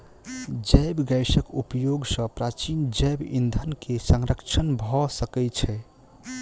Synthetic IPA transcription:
d͡ʒəjbɡajsəkupjoɡsə̃pɾat͡ʃind͡ʒɛjbḭnd̪ʱənkesəŋɾəkt͡ʃʰənbʱɔsəkɛt͡ʃʰɛ

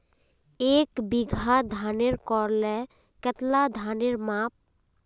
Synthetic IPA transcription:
eːkbɪɡʱad̪ʱaːneɾkɔːɾlɛ | kət̪lad̪ʱaːneɾmaːp̚

